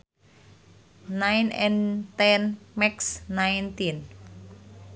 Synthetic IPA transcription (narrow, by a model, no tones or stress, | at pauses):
najnɛ̰nt̪ɛnmɛksnajnt̪in